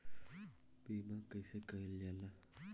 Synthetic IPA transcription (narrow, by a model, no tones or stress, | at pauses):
bemakajsekaljala